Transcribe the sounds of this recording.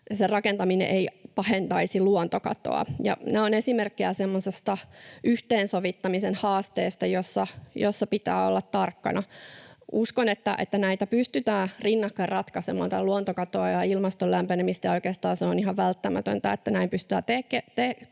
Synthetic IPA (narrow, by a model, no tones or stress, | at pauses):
serɑkent̪ɑminḛʔeipɑhent̪ɑisiluont̪okɑ̰t̪o̰ɑ̰jɑ̰næːonesimerkːeæsemːosest̪ɑʔyht̪eːnsoʋit̪ːɑmisenhɑːst̪eːst̪ɑjosːɑjosːɑpit̪æ̰ːolːɑt̪tɑrkːɑ̰nɑʔuskonet̪ːæ̰ʔḛt̪ːænæit̪æpyst̪yt̪æːrinːɑkːɑrrɑt̪kɑsemɑ̰ːnt̪ɑluont̪okɑt̪oɑjɑilmɑst̪olæmpenemist̪æjɑojkeːst̪ɑːnseoniɦɑʋʋælt̪ːæmæt̪ø̰nt̪æet̪ːænæimpyst̪yæːt̪ekːet̪e